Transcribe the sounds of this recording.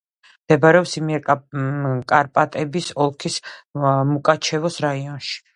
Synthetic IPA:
md̪̥ɛbaɾɛɔpsimiɛ | kʼaɾpʼat̪ʼɛbisɔlˠkʰismukʼat͡ʃʰɛvɔsɾaiɔnʃi̥

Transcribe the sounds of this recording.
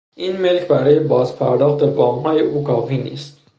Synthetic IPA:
ʔinmelkʰbæɾɒːjebɒːzpʰæɾd̪ɒːχt̪ebɒːmhɒːjeʔukʰɒːfinḭːst̪̚

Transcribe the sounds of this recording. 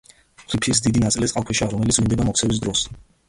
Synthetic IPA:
χʰipʰis̬d̪id̪inat̪ʼilisʼqʼalˠkʰwɛʃiaɾɔmɛlit̪sʰvind̪ɛbamɔk̪̚ʰsʰɛvis̬d̪ɾɔs

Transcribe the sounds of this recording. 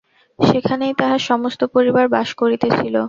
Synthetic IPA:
ʃekʰanejt̪aɦaʃɔmost̪opoɾibaɾbaʃkoɾit̪et͡ɕʰilo

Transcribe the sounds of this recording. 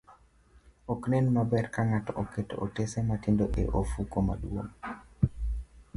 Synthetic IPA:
oknɛnmabɛrkaŋatɔʔoketo̰ʔotesematindoʔḛʔofukoma̰ɗuo̰ŋ

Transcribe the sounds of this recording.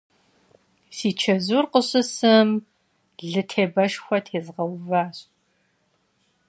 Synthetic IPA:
siːt͡ʃʰɐzurqəɕɨsɐm | ɮɨtʰeːbɐʃxʷɐtʰeːzʁɐwvaːɕ

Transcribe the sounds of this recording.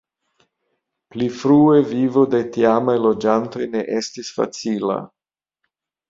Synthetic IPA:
plifɾue̞vivo̞de̞tiamajlo̞d͡ʒanto̞jne̞ʔestisfa̰t͡sila̰

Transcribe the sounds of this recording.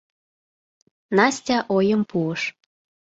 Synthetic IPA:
nɑsʲtʲɑʔojəmpuəʃ

